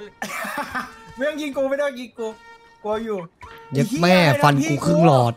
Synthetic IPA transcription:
me˧˥˩ŋki˧ŋkuː˧ma˧˦da˥˩ŋki˧ŋkuː˧ | ku˧ɐ˧juː˨˩je˨˦˥k̚mɛː˧˥˩fa˧nkuː˧kʰɯ˥˩ŋlɔː˨˩t̪̚

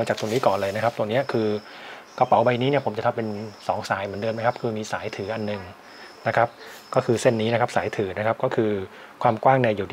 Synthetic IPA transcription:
a˧t͡ɕaː˨˩k̚t̪u˧ni˦˥kɔː˨˩nlɤː˧jna˦˥kʰa˦˥t̪ni˦˥ɐkʰɯː˧ | ka˧pa˨˩˦wba˧jni˦˥ni˥˩ɐpʰo˩˦mt͡ɕa˨˩t̪ʰa˧˥pe˧nsɔː˩˦ŋsaː˩˦jmɯ˩˦ndɤː˧nma˦˥jkʰa˦˥p̚kʰɯː˧miː˧saː˩˦jt̪ʰɯː˩˦ʔa˧nːɯ˨˩ŋ | na˦˥kʰa˦˥p̚kɔː˥˩kʰɯː˧se˥˩nːiː˦˥na˦˥kʰa˦˥p̚saː˩˦jt̪ʰɯː˩˦na˦˥kʰa˦˥p̚kɔː˥˩kʰɯː˧ | kʰwaː˧mkwaː˥˩ŋna˧jdiː˨˩d

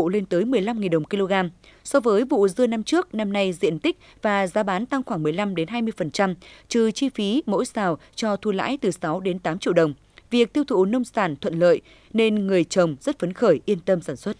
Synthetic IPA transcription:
le˧nt̪əː˨˦jmɨ˨˩əjla˧mŋi˨˩nɗə˨˩wŋ͡mki˧lo˧ɣaː˧msɔ˧vəː˨˦jvṵ˧˨zɨ˧əna˧mt͡ɕɨ˦˥ək̚na˧mna˧jzḭ˧˨ənt̪ï˦˥k̟̚ | vaː˨˩zaː˨˦ɓaː˨˦nt̪a˧ŋxwaː˧˩ŋmɨ˨˩əjla˧mɗe˨˦nɦaː˧jmɨ˧əjfə˨˩nt͡ɕa˧mt͡ɕɨ˨˩t͡ɕi˧fi˨˦mo̰˧˥jsaː˨˩wt͡ɕɔ˧t̪ʰu˧˩la̰ː˧˥jt̪ɨ˨˩sa˨˦wɗe˨˦nt̪aː˨˦mt͡ɕḭ˧əwɗə˨˩wŋ͡m | vi˨˩ək̚t̪i˧əwt̪ʰṵ˧˩nə˧wŋ͡msaː˧˩nt̪ʰwə̰˧˨nlə̰ː˧˨j | ne˧nŋɨ˨˩əjt͡ɕə˨˩wŋ͡mz̥ə˦˥t̚fə˨˦nxəː˧˩jʔi˧ənt̪ə˧msaː˧˩nswə˦˥t̚

